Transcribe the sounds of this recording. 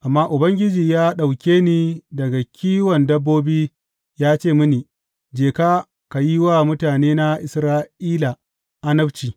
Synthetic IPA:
ʔa˨mːaː˦ʔʊ˨bɐ˦ŋɡʲɪ˦d͡ʒiː˨jaː˦ɗa˨wkʲeː˦niː˦˨dɐ˨ɡa˨kʲiː˦wɐ˨ndɐ˦bːoː˦biː˦ | jaː˦t͡ʃeː˦˨mʊ˦niː˨ | d͡ʒeː˨kaː˦ | ka˨ji˦waː˦˨mʊ˦taː˨neː˦na˦ʔɪ˨sɾaː˦ʔiː˦la˨ | ʔa˦nɐ˦bt͡ʃiː˨

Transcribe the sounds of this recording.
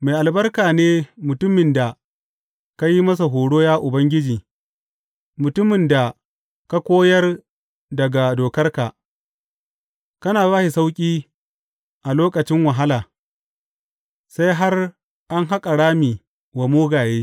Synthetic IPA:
ma˨jʔa˨lbɐ˦rkaː˨neː˦mʊ˨tʊ˦mɪ˨nda˨ | ka˦ji˦mɐ˦s̬a˨ɦoː˨ɽoː˦jaː˦ʔʊ˨bɐ˦ŋɡʲɪ˦d͡ʒiː˨ | mʊ˨tʊ˦mɪ˨nda˨ | ka˦kʷoː˦jɐ˦r | dɐ˨ɡa˨doː˨kɐ˦rka˨ | kɐ˦naː˨baː˦ʃi˨sa˦wkʲʼiː˦ | ʔa˨loː˦kʼɐ˨t͡ʃɪ˦ŋwɐ˨ɦa˦laː˨ | sa˦jɦa˦r | ʔa˦ŋɦa˦kʼa˨ɽaː˦mi˨ | wa˨moː˦ɡaː˨jeː˦

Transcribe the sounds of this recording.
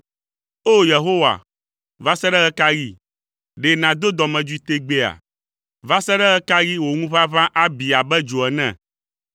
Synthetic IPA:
o˦je˨ɦo˦wa̰˨ | va˦sɛ˦ɖɛ˦ɣɛ˦ka˦ɣi˦ | ɖe˨nã˨d̪o˦d̪ɔ˨mɛ̃˨d͡ʒu˦i˦t̪e˦ɡ͡be˦a̰˨ | va˦sɛ˦ɖɛ˦ɣɛ˦ka˦ɣi˦wo˨ŋũ˦va˦vã˦ʔa˦bi˨a˨bɛ˦d͡ʒo˨ɛ˨nɛ̃˨

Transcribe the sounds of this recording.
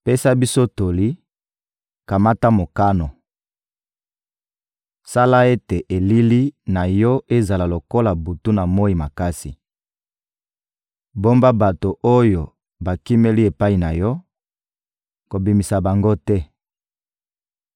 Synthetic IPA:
pe˦sa˦bi˦so˦to˨li˦ | ka˨ma˦ta˦mo˨ka˦no˨ | sa˦la˦e˦te˨ʔe˨li˦li˦na˨jɔ˦e˦za˨la˨lo˨ko˦la˨bu˨tu˦na˨mo˦i˨ma˨ka˦si˨ | bo˦mba˦ba˨to˨ʔo˦jo˨ | ba˨ki˦me˦li˦e˨pa˦i˨na˨jɔ˦ | ko˨bi˨mi˨sa˨ba˨ŋɡo˦tɛ˦

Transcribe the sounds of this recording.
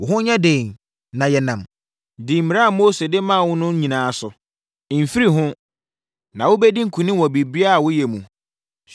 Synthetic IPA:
wʊ˨ɦʊ̃˦ɲã˦dẽ˨n | nã˨jɛ˨nã˨m | di˨m̩˨mi˨ɾa˦a˨moː˦se˨dɪ˦mã˦˨wʊ̃˦nʊ̃˦ɲĩ˨nãː˨sʊ˨ | m̩˨fi˦ɾi˦ɦʊ̃˦ | nã˨wʊ˦bɛ˦dĩ˦ŋ̩˦˨kʰũ˨nɪ̃˦wɔ̃˨bi˨bi˦a˦˨wʊ˦jɛ˨mũ˨

